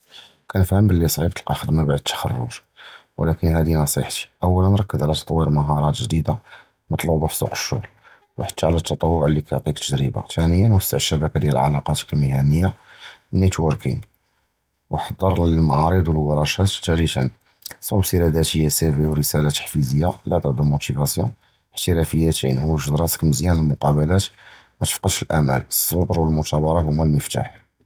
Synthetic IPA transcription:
kʰænəfhəmbəlːisˤʕib̚t̪əlqɑxəd̪mæbaʕd̪ət̪ːə̥xɑ̰rˤːʊ̰ʒ | w̰lækənhæd̪inɑsˤḭħt̪i̥ʔəwːælənɾˤɑkːəzʕlæt̪ɑt̪ˤwiɾməɦɑɾˤɑt̪ʒd̪id̪a | mət̪ˤluʕbufsˤṵqə̥ʃːʊ̰ɣl | wħḁt̪ːaʕlæt̪ʰːɑt̪ˤɑwːʊʕlːikæoʕt̪ˤikt̪əd̪ɾiba̰t̪ænəjːænwəsːəʕəʃːæbækad̪jælʕa̰lɑqɑt̪kæmihænəjːanːit̪wəɾkḭn | wħɑd̪ˤːəɾˤmaʕɑɾəd̪ˤwəlwɑɾˤɑʃæt̪t̪ːæɾit̪ə̰n | sˤʕubsiɾæd̪æt̪əjːæsæbiwɾəsælat̪ːə̥ħfizəjːalæd̪əd̪əmut̪ivæsjɔ̰̃ | ħt̪əɾæfəjːæt̪ḭnhuwʒəd̪ɾˤɑsə̥kməzjænəlmʊqɑbəlæt̪ | mæt̪ə̥fqəd̪ʃəlʔæmæ̰ləsˤːʊbɾwəlmʊt̪ɑbɑɾˤɑhʊmːælməft̪a̰ħ

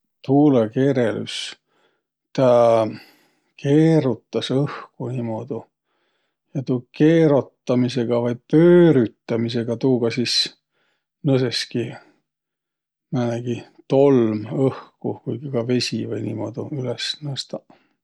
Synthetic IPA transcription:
t̪uːlekeːɾely̰s | t̪æ | kʰe̞ːɾut̪ːɑsɤhkuniːmo̞d̪̥u | jɑt̪uːke̞ːɾot̪ːɑmise̞ɡ̥ɑvɑjpøːɾyt̪ːɑmise̞ɡ̥ɑt̪uːɡ̥ɑsis | nɤseski | mæneɡ̥i | t̪o̞lmɤhkukujɡ̥ikɑve̞sʲḭvɑjniːmo̞d̪̥uylesnɤst̪ɑ

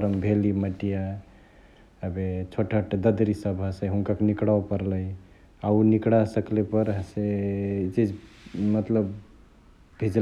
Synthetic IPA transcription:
ɾəmbʱeliməʈija | əbet͡ʃʰoʈʰəʈd̪əd̪ɾisəbʱaseɦuŋkakenikɽawpəɾləj | aunikɽasəklepəɾɦset͡ʃid͡ʒmət̪ləb | bʱid͡ʒ

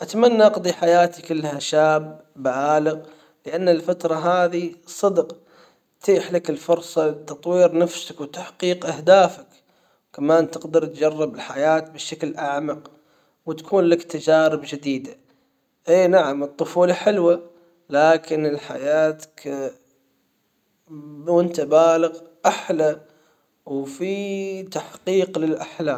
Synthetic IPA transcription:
ʔat̪amanːaʔɑqd̪ˤiħajaːt̪ikɪlːhaʃaːbː | ʕaːlɪɣ | lɪʔanːalfat̪ɾˤɑɦaːðisˤɨd̪q | tt̪ʰiːħlakɪlfʊɾsˤɑlɪt̪ːɑt̪ˤwiːɾnafsakwt̪aħqiːqʔahd̪aːfak | kamaːnt̪ɪqd̪ɑɾˤt̪d͡ʒɑrˤːɪbɪlħajaːt̪̚bɪʃaklʔaʕmɑq | wɪt̪ḁkʰuːnlakt̪ad͡ʒaːɾɪbd͡ʒɪd̪iːd̪a | ʔeːnaʕamɨt̪ˤːʊfuːlɑħɪlwa | laːkɪnɪlħa̰jaːt̪ḁk | wɪnt̪abaːlɪɣʔaħla | wfit̪aħqiːqlɪlʔaħlaːm

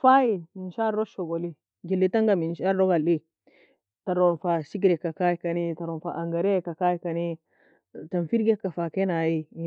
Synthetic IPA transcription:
fajiminʃaɾoʃoɡoli | ɡilːitaŋɡaminʃaɾoɡali | taɾonfaʃiɡɾekːakakanitaɾonfa̰ʔaŋɡaɾekakajikani | tanfiɾɡekːafakenaji

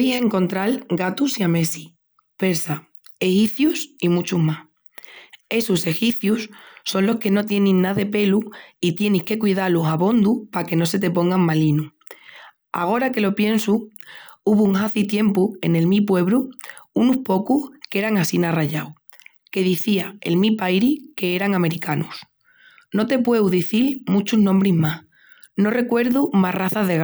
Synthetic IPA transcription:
ise̞ŋkõ̞nt̪ɾalɡat̪usiame̞si | pe̞ɾsa | exipθjusimut͡ʃuɦmas | e̞suse̞xipθjusːo̞nlo̞ske̞no̞t̪je̞ninnaðe̞pe̞luit̪je̞nihke̞kwið̞alusaβo̞nd̪upake̞no̞se̞t̪̬e̞po̞ŋɡaŋmalinu | a̰ɣ̞o̞ɾake̞lo̞pje̞nsu | uβuuŋxaθit̪je̞mpue̞̰ne̞lmip̬we̞βɾuunuspo̞kuhke̞ɾaŋasinaraʝaw | ke̞ðiθiaelmipajɾike̞eɾaŋame̞ɾikanus | no̞t̪e̞pwe̞wðiθilmut͡ʃuznõmbɾiɦmas | no̞re̞kwe̞ɾðumaraθazðe̞ɣ

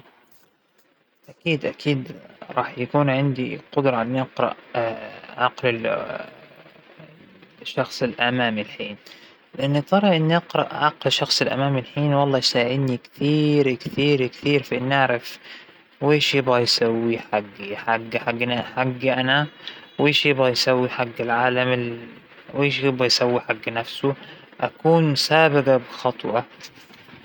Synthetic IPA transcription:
ʔakiːd̪ʔakʰiːd̪ɾˤɑːħjakuːnʕɪnd̪iqʊd̪ɾˤɑʔɪnːiʔɑqɾˤɑ̰ʔ | ʕɑqlɪ | ʃːɑxsˤɪlʔamaːmɪlħiːn | lɪʔanːit̪ˤɑɾˤɑʔɪnːiʔɑqɾˤɑ̰ʔʕɑqlʃɑxsˤɪlʔa̰maːmɪlħiːnwɑlˤːɑːjsaːʕɪd̪nikt̪iːɾkθiːɾkθiːɾfiʔɪnːʔaʕɾaf | weːʃjɪbɣajsawːiħaɡːiħaɡːħaɡːnaħaɡːiʔanaweːʃjɪbɣajsawːiħaɡːɪlʕaːlamɪ | weːʃjɪbɣajsawːiħaɡːnafsʊ | ʔakuːnsaːbɪɡabɪxɑt̪ˤwʔɑ

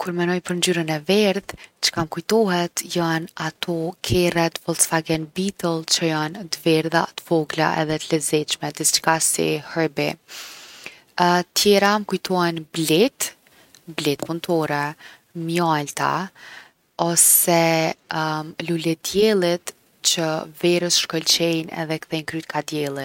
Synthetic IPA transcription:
kuɾmɛnɔjpəɾnd͡ʒyɾənɛvɛɾðt͡ʃə̥kamkujt̪ɔɦɛt̪janat̪ʰɔkʰɛrɛt̪fɔlsfaɡɛnbit̪əlˠt͡ʃəjant̪əvɛɾða̰t̪ə̥fɔɡla̰ʔɛ̰ðɛt̪əlɛzɛt͡ʃmɛd̪isi̥t͡ʃkasḭhɛbi | t̪ʰjɛɾaməkujt̪ʰɔɛnblit̪ | blit̪punt̪ʰɔɾɛ | mjalt̪a̰ | ɔsɛ | lulɛd̪jɛlˠit̪ | t͡ɕəvɛɾəsʃkɔlt͡ɕɛjnɛ̰ðɛkθɛjnkɾyt̪kʰad̪jɛlˠit̪

